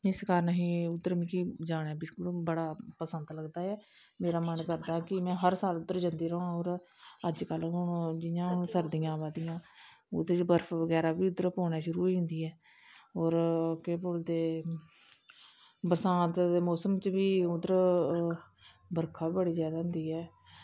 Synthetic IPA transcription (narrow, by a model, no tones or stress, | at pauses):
ɪskaːɾnəɦĩːʊd̪ːəɾmĩːkid͡ʒaːɽ̃aːbɪlkʊlbəɽaːpəsənd̪ləɡd̪aːɛː | meːɾaːmənkəɾd̪aːkɪmɛ̃ːɦəɾsaːlʊd̪əɾd͡ʒə̃nd̪iːɾəɦõoːɾəd͡ʒkəlɦʊɳd͡ʒɪjãːʊnsəɾd̪ijãːbaːd̪ijãː | ʊ̰d̪əɾt͡ʃbəɾfʰʋəɡɛːɾaːbiːʊd̪əɾpoːnaːʃʊɾuːiʊ̃nd̪iːɛː | oːɾkeːpʊld̪eː | bəsãːt̪ːmɔːsəmt͡ʃbiːʊd̪əɾ | bəɾkʰaːiːbəɽiːzjaːd̪aːɦʊ̃nd̪iːɛː